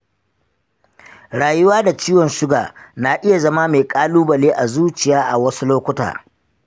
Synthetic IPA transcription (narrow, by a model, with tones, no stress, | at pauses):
ɽaː˨jʊ˦waː˦da˨t͡ʃiː˦wɔ˨nʃʊ˦ɡa̰ː˨na˨ʔɪ˦ja˨zɐ˦ma˦me˨kʼaː˦luː˦bɐ˨leː˦ʔa˨zuː˦t͡ʃɪ˨jaː˦ʔa˨wɐ˦su˦loː˦kʷʊ˦ta̰ː˨